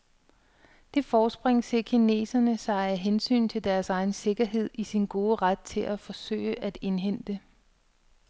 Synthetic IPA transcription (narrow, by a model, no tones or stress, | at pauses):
d̥e̝fɒːsb̥ʁeŋ̰sekʰine̝̰ːsɐnəsɑ̈ɪæɦensy̰ːnt͡sʰe̝ld̥æɐsɑ̈ɪn̩se̝ɡ̥ɐɦe̝ð̞̰ˠisinɡ̥o̝ːðˠəʁad̥̚t͡sʰe̝lʔæfɒ̽sø̰ɪəʔæd̥e̝nɦen̰d̥ə